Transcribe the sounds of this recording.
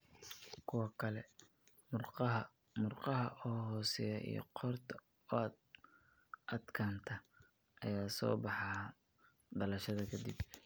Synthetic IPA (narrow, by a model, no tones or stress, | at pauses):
kʰʊwɑkʰɐlɛ | mʊrqɑɦɐʔɔːɦɔːsɛjɐʔḭjɔ̰qʰɔrt̪ʰɐ | ɔaːd̪ | ʔɐd̪kʰaːnt̪ʰɐ | ʔɐjaːsɔ̰ːbɑħɑ | ɖɐlɐʃɐðɐkʰɐd̪ib